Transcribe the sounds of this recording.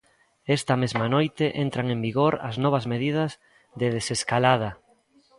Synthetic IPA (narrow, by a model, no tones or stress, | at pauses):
ɛst̪ɐmezmanojt̪ɪʔent̪ɾaŋẽmbiɣoɾɐ̰znɔβɐzmeðið̞ɐz | ðeðeseskalað̞ɐ